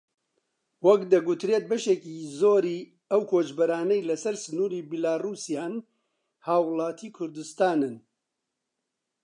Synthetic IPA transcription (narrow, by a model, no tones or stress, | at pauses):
wɐkd̪ɐɡut̪ɾeːt̪̚bɐʃekiːzoːɾiː | ɐwkʰoːt͡ʃbɐɾaːnɐjlɐsɐɾsɨnuːɾiːbilaːruːsijaːn | haːwlˠaːt̪ʰiːkʰʊɾd̪ɨst̪aːnɨn